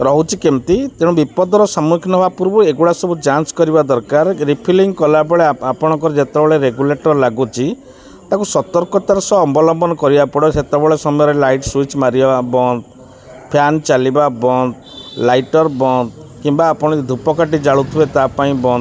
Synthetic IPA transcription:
ɾɔɦut͡ʃʰikemt̪it̪ẽũbipɔd̪ɔɾɔsamukʰnɔɦbapuɾbɔeɡuɽasɔbud͡ʒanskɔɾibad̪ɔɾkaɾeɾipʰiliŋɡkɔlabɔɭeapɔɽ̃ɔ̃ŋkɔɾed͡ʒet̪ɔbɔɭeɾeɡuleʈɔɾlaɡut͡ʃʰi | t̪akusɔt̪ɔɾkɔt̪aɾɔsɔɔbɔlɔmbɔnɔkɔɾibapɔɽɔset̪ɔbɔɭesɔmɔjɔɾelajʈswit͡ʃmaɾibabɔnd̪ | pʰjant͡ʃalibabɔnd̪ | lajʈɔɾbɔnd̪kimbaːpɔɽ̃id̪ʱupɔkaʈ̬id͡ʒaɭut̪ʰibet̪apaĩbɔnd̪

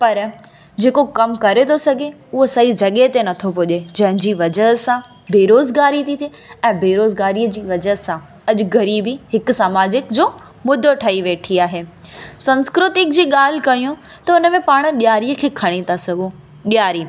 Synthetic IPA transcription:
pɐɾ | d͡ʑeːkokɐmkɐɾet̪ʰosɐɡʱeʊɦosɐɦid͡ʑɐɠet̪enɐt̪ʰopoːʄed͡ʑɐ̃ɦɪ̃d͡ʑiːʋɐd͡ʑəɦsã | beːɾoːzɡaːɾit̪ʰit̪ʰi | ɛ̃ːbeːɾoːzɡaːɾiəd͡ʑiːʋɐd͡ʑəɦsã | ɐʄʊɡɐɾiːbiɦɪkʊsaːmaːd͡ʑɪkd͡ʑoː | mʊd̪ʱoʈʰɐiʋeːʈʰiaːɦeːsɐ̃nskɾʊt̪ɪk̚d͡ʑiːɠaːl̤ɪkɐijũ | t̪ɐʊnə̆mẽpaːɽ̃ɗjaːɾiəkʰeːkʰɐɽ̃et̪asɐɡʱũ | ɗijaːɾiː

